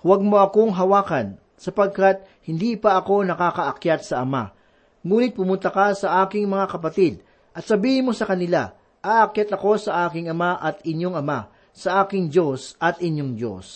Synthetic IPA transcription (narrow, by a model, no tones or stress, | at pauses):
wɐɡ̚mo̞ɐko̞ŋɦɐwaːkɐn | sɐpɐɡ̚kat̪̚ | hɪnd̪iːpɐɐko̞nɐkaːkɐʔɐkjat̪̚sɐʔɐma̰ | ŋuːnɪt̪̚pʊmʊnt̪ɐkɐsɐʔaːkɪŋmɐŋakɐpɐt̪id̪̚ | ʔɐt̪sɐbiːhɪnmo̞sɐkɐnɪla | ʔaʔɐkjat̪ɐko̞sɐʔaːkɪŋɐmaʔɐt̪ɪnjoŋɐma | sɐʔaːkɪŋd͡ʒo̞sʔɐt̪ʔɪnjoŋd͡ʒo̞̰s